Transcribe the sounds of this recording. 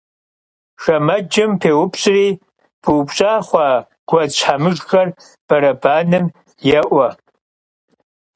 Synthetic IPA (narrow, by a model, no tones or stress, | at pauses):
ʂɐmɐd͡ʒɪmpʰeːwʊpʰɕʼriː | b̥ɨwpɕʼaːχʷɑː | ɡ̥ʷɐt͡ɕʷʰħamɨʒxɐr | b̥ɐɾɐbaːnɨm | jɛʔʷɐ